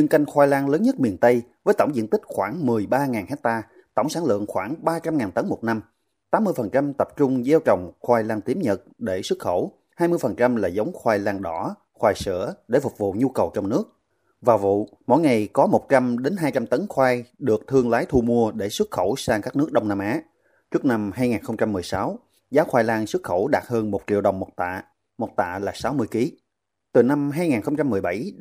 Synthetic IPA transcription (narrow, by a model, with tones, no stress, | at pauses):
ɲɨ˧ŋka˧jŋ̟xwaː˧jlaː˧ŋləː˨˦nɲə˦˥t̚mi˨˩ənt̪ə˧jvəː˨˦jt̪wŋ͡mzḭ˧˥ənt̪ï˦˥k̟̚xwaː˧˩ŋmɨ˨˩əjɓaː˧ŋaː˨˩nhɛ˦˥t̚t̪aː˧ | t̪ə̰˧˩wŋ͡msaː˧˥nlɨ̰˧˨əŋxwaː˧˩ŋɓaː˧t͡ɕa˧mŋaː˨˩nt̪ə˨˦nmo˨˩t̚na˧m | t̪aː˨˦mːɨ˧əjfə˨˩nt͡ɕa˧mt̪ə˨˩p̚t͡ɕʊ˧ŋ͡mze˧wt͡ɕə˨˩wŋ͡mxwaː˧jlaː˧ŋt̪i˨˦əmɲə˨˩t̚ɗe˧˩swɨ˦˥t̚xə˧˩w | haː˧jmɨ˧əjfə˨˩nt͡ɕa˧mlaː˨˩zə˨˦wŋ͡mxwaː˧jlaː˧ŋɗɔ˧˩ | xwaː˧˩jsɨ̰˧˩əɗe˧˩fʊ˨˩k͡p̚vṵ˧˨ɲu˧kə˨˩wt͡ɕɔ˧wŋ͡mnɨ˦˥ək̚ | vaː˨˩wvṵ˧˨mo̰˧˥jŋa˨˩jkɔ˨˦mo˨˩t̚t͡ɕa˧mɗe˨˦nɦaː˧jt͡ɕa˧mt̪ə˨˦nxwaː˧jɗɨ˨˩ək̚t̪ʰɨ˧əŋlaː˨˦jt̪ʰu˧mu˧əɗe˧˩swɨ˦˥t̚xə˧˩wsaː˧ŋkaː˦˥k̚nɨ˦˥ək̚ɗə˧wŋ͡mnaː˧mʔaː˨˦ | t͡ɕɨ˦˥ək̚na˧mɦaː˧jŋaː˨˩nxə˧wŋ͡mt͡ɕa˧mːɨ˨˩əjsa˨˦w | zaː˨˦wxwaː˧jlaː˧ŋswɨ˦˥t̚xə˧˩wɗaː˨˩t̚həː˧nmo˨˩t̚t͡ɕḭ˧˨əwɗə˨˩wŋ͡mmo˨˩t̚t̪a̰ː˧˨ | mo˨˩t̚t̪a̰ː˧˨laː˨˩saː˨˦wmɨ˧əjki˨˦ | t̪ɨ˨˩na˧mɦaː˧jŋaː˨˩nxə˧ŋ͡mt͡ɕa˧mːɨ˨˩əjɓa˧˩j